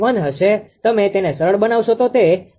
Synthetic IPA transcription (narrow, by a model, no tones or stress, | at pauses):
ʋanɦəʃet̪əmet̪enesəɾəɭbənaʋʃot̪ot̪e